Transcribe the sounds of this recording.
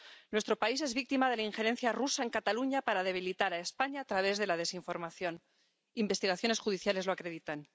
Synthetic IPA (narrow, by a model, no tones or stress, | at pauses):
nwe̞st̪ɾo̞pais̬e̞zβik̚t̪imað̞e̞laiŋxe̞ɾe̞n̟θjarusae̞ŋkat̪aluɲapaɾað̞e̞β̞ilit̪aɾae̞spaɲaːt̪ɾaβe̞zðe̞lað̞e̞siɱfo̞ɾmaθjo̞n | imbe̞st̪iɣaθjo̞ne̞sxuðiθjale̞zloakɾe̞ðit̪an